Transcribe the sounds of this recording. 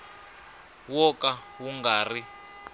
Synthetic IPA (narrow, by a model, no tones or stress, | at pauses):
wɔkawuŋɡaːri